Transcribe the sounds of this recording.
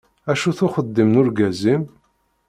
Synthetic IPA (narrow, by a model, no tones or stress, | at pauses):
æʃuθʊχəd̪ːimnʊɾɡæzim